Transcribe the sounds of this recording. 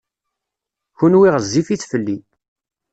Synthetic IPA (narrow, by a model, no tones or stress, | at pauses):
çunwiʁəzːifit͡sfəlːi